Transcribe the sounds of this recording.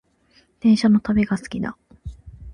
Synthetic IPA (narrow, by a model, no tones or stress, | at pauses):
d̪̥ẽ̞ɰ̃ɕano̞t̪abe̞ɡasɨ̥kʲid̪a̰